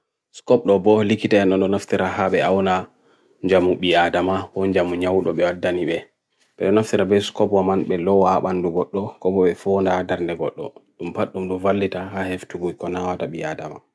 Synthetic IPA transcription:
skɔp̚ɗɔbɔlikːitaɛnːɔɗɔnaftiɾahaɓɛawna | ɲd͡ʒamuɓiadamahɔɲd͡ʒamuɲawɗɔɓɛwadːaniɓɛ | ɓɛɗɔnaftiɾabɛskɔpwamanɓɛlɔwaɓanduɡɔɗːɔkɔbɔɓɛfɔndadaɾndɛɡɔɗːɔ̰ɗumpaɗːumɗɔvalːitahaheftuɡujkɔnawataɓiadama

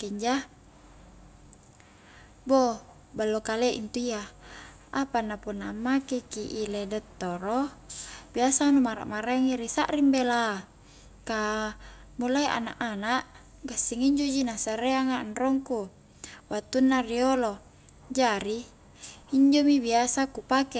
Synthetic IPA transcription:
keɲd͡ʒa | bo | balːokalɛʔḭnt̪uia | apanapunːaːmːakekiʔiledɛt̪ːoɾo | biasanumaɾa̰ʔmaɾaŋiɾisaʔrimbela | ka | mulaiʔa̰na̰ʔanaʔ | ɡasːiŋiɲd͡ʒod͡ʒinasaɾeaŋaːnrɔŋku | wat̪ːunːariolo | d͡ʒaɾiː | ɲd͡ʒomibiasakupake

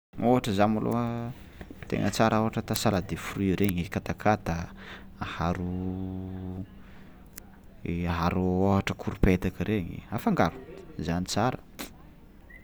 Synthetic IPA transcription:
oɦaʈ͡ʂəzamalo̰ə | t̪ḛŋʔət͡saɾʔaoɦaʈ͡ʂət̪asalad̪efruiɾeɲikat̪akʰat̪a | haɾu | ɦaɾooɦaʈ͡ʂəkʰuɾupet̪akiɾeɲḭafaŋɡaɾu̥zanit͡saɾə̥

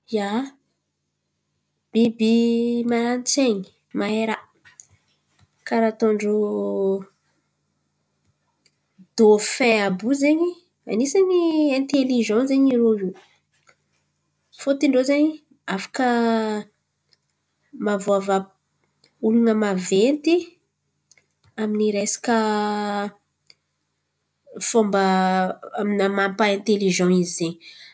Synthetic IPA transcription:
ja | b̥ibimant͡seɲi̥ | maeɾa | kaɾat̪oɳɖ͡ʐo | d̪̥ofɛ̃abuzeɲi | a̰nisaɲiɛ̃nt̪eliʒɑ̃zeɲiɾoi | fot̪iɳɖ͡ʐozeɲi | afḁkə | mavoava | ulunəmavent̪i | aminiɾesḁkə | fombə | aminamampaɛ̃nt̪eliʒɑ̃izzeɲ

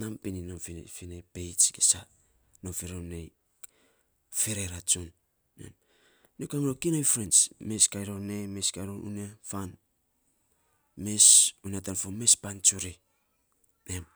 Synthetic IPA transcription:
nampininomfifinejpejt͡ʃɡesa | nomfiɾonej | feɾeɾat͡ʃunː | ḛm | niokamɾokinojfɾent͡ʃme̞skajɾonemeskajɾonʔṵniafan | me̞suniatanfome̞spant͡ʃuɾi | nem

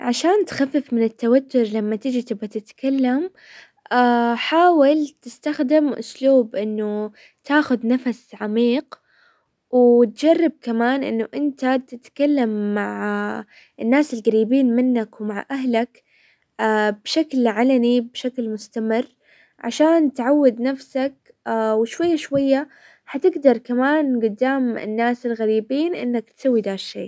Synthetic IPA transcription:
ʕaʃaːnt̪xafːɪfmɪnɪt̪ːawat̪ːʊɾlamːat̪ɪd͡ʒit̪ɪbat̪ɪt̪kalːam | aħaːwɪlt̪ɪst̪axd̪ɪmʔʊ̰sluːbʔɪnːʊ | t̪aːxʊðnafasʕamiːq | wt̪̚d͡ʒarˤːɪb̚kamaːnʔɪ̰nːʊʔɪnt̪at̪ɪt̪kalːamːaʕ | ɪnːaːsɪlɣaɾiːbiːnmɪnːakwmaʕʔaɦlak | abʃaklʕalanibʃaklmʊst̪amɪrː | ʕa̰ʃaːnt̪ʕawːad̪nafsak̚ | wɪʃwajːaʃwajːa | ħat̪ɪɡd̪ɑɾˤkamaːnɡʊd̪ːaːmɪ̰nːaːsɪlɣaɾiːbiːnʔɪ̰nːak̚t̪sawːid̪aːʃːeː

